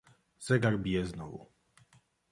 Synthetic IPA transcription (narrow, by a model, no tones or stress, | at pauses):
z̥ɛɡaɾbʲijɛznɔvṵ